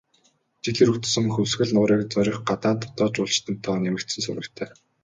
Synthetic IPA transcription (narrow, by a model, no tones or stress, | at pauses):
t͡ɕiɮiɾɵkt̪̆sɵ̆ŋxɵwsxɘ̆ɮnʊːɾiːkt͡sœɾʲɞ̆χɢat̪aːnt̪ʰʊ̥t̪ɔːt͡ɕʊːɮt͡ɕt̪ɘ̆nt̪ʰːɔːnemɘ̆kt̪sɘ̆nsʊ̰ɾɘ̆kt̪ʰæː